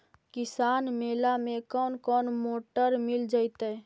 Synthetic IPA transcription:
kisaːnmeːlamẽkɔnkɔːnmoːʈəɾmild͡ʒaɪt̪ɛ

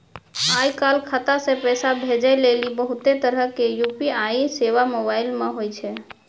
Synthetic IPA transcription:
ajkalkʰət̪asẽpɛsabʱed͡ʒəjlelibəɦut̪et̪əɾəkejupiajiseʋamobailmeɦojt͡ʃʰɛ

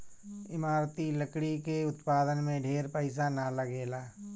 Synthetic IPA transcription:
ɪmaːɾt̪iləkɽikeʊt̪paːd̪ənmẽɖʱeːɾpəɪsanaləɡeːlaː

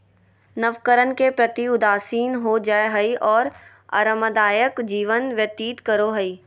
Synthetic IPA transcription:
nɐʋkəɾənkepɾɐt̪iʊd̪aːsiːnɦod͡ʒaːeɦɐiʔɔːɾ | ɐ̰ɾəməd̪aːjəkd͡ʒiːʋənʋjɐt̪iːt̪kəɾoɦɐiː

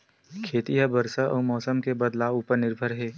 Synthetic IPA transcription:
kʰeːt̪ijabəɾsaʔɔ̰ːmɔːsəmkebəd̪laːʋuːpəɾnɪɾbʱəɾɦɛː

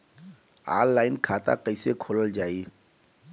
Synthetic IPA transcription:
a̰ːllaːɪnkʰaːt̪a̰kəɪsekʰoːləld͡ʒaːi

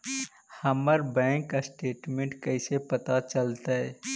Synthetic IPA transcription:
hɐməɾbɛ̃ːŋkːasʈeːʈmẽɳʈkɐɪsepɐt̪at͡ʃəlt̪aɦɛː

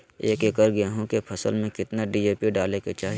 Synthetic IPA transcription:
ḛːkekɐɾɡɐeɦõkepʰɐsə̰lmẽkɪt̪naɖiːd͡ʒeːpiɖaːleket͡ʃaːɦi

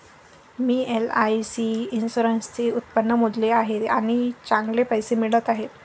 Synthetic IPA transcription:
miːelajsiinsuɾənst͡seut̪̚pənːəmud̪leaɦet̪aɽ̃it͡saŋɡlepəjsemiɭət̪aɦet̪

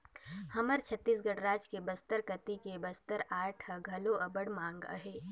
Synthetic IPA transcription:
hɐməɾt͡ʃʰət̪ːiːsɡɐɽɾaːd͡ʒkebəst̪əɾkət̪ikebɐst̪əɾaːʈʰəɡʱɐloʔɐbəɽmãːŋɡə̰ɦeː

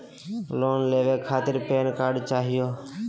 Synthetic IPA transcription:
loːnleːʋeːkʰaːt̪ɪɾpeːnkaːɾɖt͡ʃaːɦɪjoː

